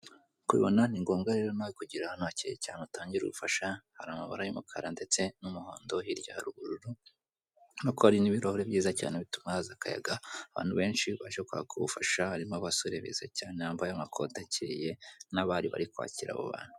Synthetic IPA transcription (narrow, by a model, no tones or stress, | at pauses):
kwḭβonaniŋɡo̞ːŋɡaɾe̞ɾo̞naikuɟiɾahanaciḛcaːneutaːɲɟiɾṵβufaʃahaɾamaβa̰ɾajimukʰaɾande̞t͡se̞numuho̰ːndo̞hiɾjaɾuɡuɾuɾu | nakoaɾiniβiɾahoɾeβjiːzaca̰ːneβitumahazakaja̰ɡaaβa̰ːnhuβe̞ːnʃiβaʒekwa̰kuβṵfaʃahaɾimaβasoɾeβḭːz̥acaːneaːmbajamakʰo̞tacʰiɾije̞naβaːɾiβa̰ɾikwa̰ːciɾa̰βo̰βa̰ːn̥hu